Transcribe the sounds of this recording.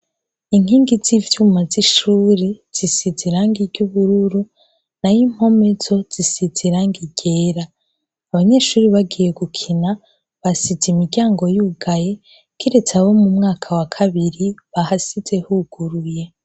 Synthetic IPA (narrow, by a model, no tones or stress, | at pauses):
iŋ̥hiːŋɡizivjumaziʃuːɾiz̥isiziɾaːŋɡiɾɟuβuɾuɾu | najim̥ho̞me̞zo̞z̥isiz̥iɾaŋɡiɟ̥eɾaː | βaɲe̞ːʃuːɾiβaɡije̞ɡukʰina | βasizimiɟaːŋɡo̞juːɡaje | kiɾe̞t͡sawo̞mumŋaːkʰawakʰaβiɾiβahasiz̥e̞huɡ̥uɾuje̞